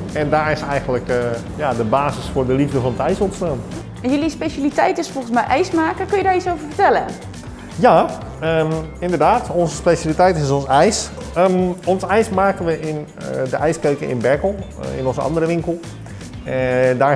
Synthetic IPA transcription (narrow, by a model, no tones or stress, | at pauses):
ɛndaːɹɪsɛjɣənlək | jadəbaːsəsfʊrdəlivdəfɔnətɛjsɔnstaːn | ɛnjølispeʃalitɛjtɪsfolˠəns̬mɛjʔɛjsmaːkəkønjədaːɹit͡sowvəɹfətɛlə̰ | ja | əɪndərdaːtonsəspeʃjalitɛjtɪsonsɛjs | əɔnsɛjsmaːkənʋəʔɪn | dəʔɛjskøɥkəʔɪ̰nbɛkəlˠ | ɪ̰nɔnzəɑ̰ndəɾəʋɪŋkəlˠ | daː